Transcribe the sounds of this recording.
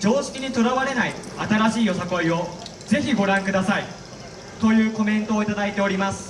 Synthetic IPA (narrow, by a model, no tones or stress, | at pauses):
d͡ʑo̞ːɕi̥kʲiɲ̟it̪o̞ɾaβaɾe̞naiat̪aɾaɕiːjo̞sako̞io̞ | ze̞çiɡo̞ɾãŋkɯ̟d̪asai | t̪o̞jɯ̟ːko̞mẽ̞nt̪o̞ːit̪ad̪ait̪e̞o̞ɾʲimasɨ̥